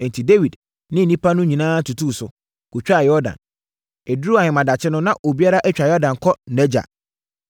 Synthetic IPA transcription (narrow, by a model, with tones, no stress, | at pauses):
n˨tʰi˨de˦wi˨d | nɪ̃˦n̩˨nĩ˦pʰa˦nʊ̃˦ɲĩ˨nãː˦tʰu˨tʰu˦˨sʊ˨ | ɡ̥u˨t͡ɕᶣa˦˨jɔ˦dã̰˨n | e˨dɾu˦a˨hɪ̃˨mã˨da˨t͡ɕʰɪ˦nʊ̃˦nã˦ʔo˨bi˦a˦ɾa˦ʔɛ˦t͡ɕᶣa˨jɔ˦dã˨n˨kʰɔ˦nɛ˦d͡ʑa̰˨